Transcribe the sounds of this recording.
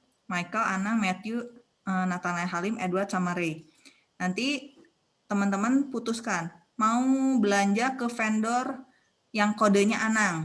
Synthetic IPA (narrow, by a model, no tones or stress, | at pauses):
majkəlanaŋmet̪ju | ənat̪anaɦalɪmeduwart̪samaɾej | nant̪i | t̪əmənt̪əmənput̪uskan | maubəlaɲd͡ʒakəfɛndɔr | jaŋkodəɲaʔanaŋ